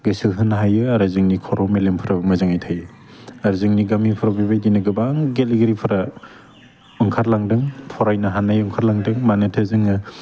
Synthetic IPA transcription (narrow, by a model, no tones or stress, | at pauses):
ɡɯsɯɦɯnɦajɯaɾazɯŋnikʰɔɾɔmelempʰɯɾamɐzɯŋajtʰajɯ | aɾzɯŋniɡamipʰɾabibajdinɯɡɯbaŋɡelɡeɾipʰɯɾa | ɔŋkʰaɾlaŋdɯŋpʰɔɾajnaɦanajɔŋkʰaɾlaŋdɯŋmanɯtʰazɯŋɯ